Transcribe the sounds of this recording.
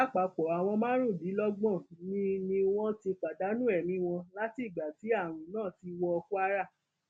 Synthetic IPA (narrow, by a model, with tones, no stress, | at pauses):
a˦k͡pa˨˧k͡pɔ˨a˨w̃ɔ̃˧mã˦ɾ̃ũ˦˨di˨˦lɔ˦ɡ͡bɔ̃˦˨nĩ˧˦nĩ˧w̃ɔ̃˦ti˧k͡pa˨da˨˦nũ˦ɛ˦˨mĩ˧˦w̃ɔ̃˧la˦ti˦˨ɡ͡ba˨ti˨˦a˦˨ɾ̃ũ˨nãː˦˨ti˧wɔ˧ɔ˧ku˦a˦ɾa˦˨